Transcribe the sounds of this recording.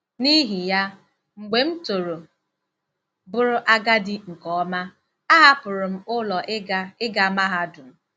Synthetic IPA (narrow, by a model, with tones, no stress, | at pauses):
ni˦ɦi˨ja˦ | ŋ͡m̩˨ɡ͡be˨m̩˦to˨ɾo˨ | bʊ˦ɾʊ˦ʔa˦ɡa˦dɪ˦ŋ̩˨kɔ˦ma˦ | a˦ɦa˦pʊ˨ɾʊ˨m̩˦ʊ˦lɔ˨ʔɪ˦ɡa˨ma˦ɦa˦dʊ˨m̩˨